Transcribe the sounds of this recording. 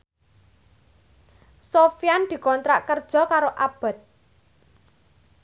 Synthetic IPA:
sofjand̪̥i̤kɔnt̪ɾa̰ʔkərd̥ʒ̥ɔ̤kaɾoʔab̥ə̤t̪̚

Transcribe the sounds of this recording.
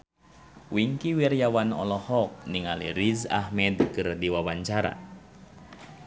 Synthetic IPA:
wiŋkiwirjawanɔ̰lɔhɔk̚niŋalḭɾiza̰hmɛdkɨrdiwawaɲt͡ʃaɾa̰

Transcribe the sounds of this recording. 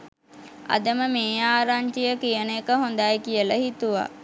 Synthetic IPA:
a̰d̪əməmeːaːɾaɲt͡ʃijəkijənkəɦond̪ajkijələɦit̪uʋa̰

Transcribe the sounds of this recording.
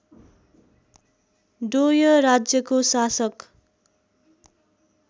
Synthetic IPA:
ɖojʌɾad͡zjʌkosasʌk

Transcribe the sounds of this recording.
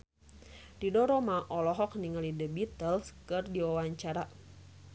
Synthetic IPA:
didɔɾɔmaʔɔlɔɦɔk̚niŋalidəbit̪əlskɨrdiwawaɲt͡ʃaɾa

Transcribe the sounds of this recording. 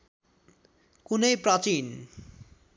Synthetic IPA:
kunejpɾʌt͡ɕin

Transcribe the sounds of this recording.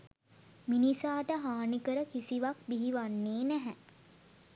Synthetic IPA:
minisaːʈəɦaːnikəɾəkisiʋak̚biɦiʋanːeːnæɦɛ

